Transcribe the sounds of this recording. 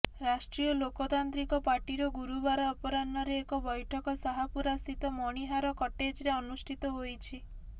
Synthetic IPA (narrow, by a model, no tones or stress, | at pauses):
ɾasʈɾijɔlokɔt̪ant̪ɾikɔpaɾʈiɾɔɡuɾubaɾaɔpɔɾanɔɾeːkɔbɔjʈʰɔkɔsaɦapuɾast̪ʰit̪ɔmɔɽ̃iɦaɾɔkɔʈed͡ʒɾeɔnusʈʰit̪ɔɦojt͡ʃʰi